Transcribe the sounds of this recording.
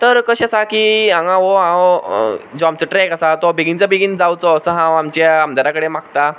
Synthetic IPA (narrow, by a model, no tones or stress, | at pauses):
t̪əɾkəɕesakiãŋãɦoɦã | d͡zoamt͡səʈɾɛkəsat̪ɔbeɡint͡sabeɡind͡zawt͡sɔəsəɦãwamt͡ɕaamd̪aɾakəɽemakt̪a